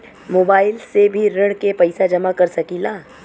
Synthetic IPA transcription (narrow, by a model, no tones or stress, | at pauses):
moːbaːɪlsebʱiɾɐɽ̃kepɐɪsad͡ʒɐmakɐɾsɐkilaː